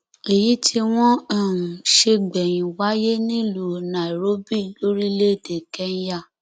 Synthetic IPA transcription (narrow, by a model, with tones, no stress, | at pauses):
e˨ji˨˦tʰi˧w̃ɔ̃˦a˦˨ʃe˧ɡ͡bɛ˨j̃ĩ˨wa˦je˦nĩ˦lo˨nã˨i˨ɾo˦bi˦˨lo˦ɾi˦le˦˨de˨kɛ˦n˦ja˦˨